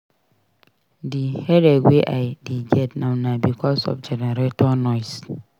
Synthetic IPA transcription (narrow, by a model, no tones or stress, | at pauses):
dihɛdɛweʔaɪdiɡɛtnãʊnabikʰɔsɔ̰fd͡ʒɛnɛɾetɔnɔɪs